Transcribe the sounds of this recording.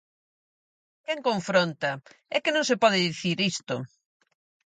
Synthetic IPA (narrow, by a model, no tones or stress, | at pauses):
kɛŋkõɱfɾont̪ɐɛkɪnõŋsepɔðɪðiθiɾist̪o̰